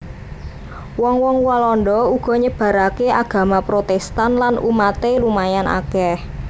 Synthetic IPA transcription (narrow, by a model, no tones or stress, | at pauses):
wɔŋwɔŋwalɔndɔuɡ̥ɔ̤ɲəb̥ä̤ɾakeʔaɡ̥a̤mapɾot̪ɛst̪anlanṵmat̪elumajana̰kɛh